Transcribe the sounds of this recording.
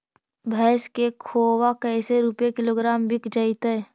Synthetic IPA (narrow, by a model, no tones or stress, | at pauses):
bʱɛːskekʰoːwakɛːseɾupjekɪloːɡɾaːmbɪkd͡ʒəɪt̪e